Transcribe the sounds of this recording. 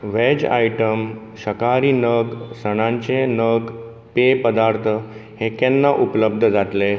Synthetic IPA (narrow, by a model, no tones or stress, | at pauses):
ʋed͡ʑa̰jʈəm | ɕəkaɾiːnəɡsəɽ̃ãɲt͡ɕenəɡ | pepəd̪aɾt̪ʰəhekenːaʔupləb̚d̪ʱəd͡zat̪le